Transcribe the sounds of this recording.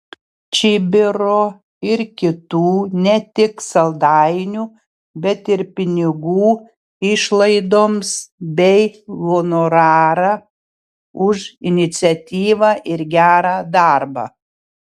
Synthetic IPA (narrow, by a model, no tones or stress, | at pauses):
t͡ʃʲɪbʲɪɾoː | ɪɾkʲɪt̪uːnʲɛt̪ʲɪksɐlˠd̪ɑɪnʲuː | bʲɛt̪ɪɾpʲɪnʲɪɡuː | ɪʃlˠɐɪd̪oːmsbʲɛɪlˠonoɾɑːɾɑ | ʊʒɪnʲɪt̪sʲɛt̪ʲiːʋɑːʔɪɾɡʲæːɾɑːd̪ɑˑɾbɑ̰ː